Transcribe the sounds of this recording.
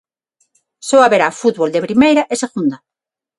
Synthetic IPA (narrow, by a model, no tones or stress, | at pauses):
soaβeɾafut̪βold̪epɾimejɾaʔeseɣund̪a